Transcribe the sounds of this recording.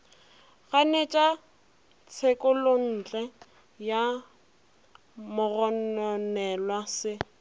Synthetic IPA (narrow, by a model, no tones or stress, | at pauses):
ɣanet͡ʃʼa | t͡sʰekʼʊlon̩ːt͡ɬɛ | ja | mʊɣɔnɔnɛlwasɪ